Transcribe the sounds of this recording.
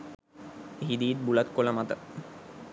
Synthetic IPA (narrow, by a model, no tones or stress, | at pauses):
ɦid̪iːt̪̚bulat̪kolamat̪ə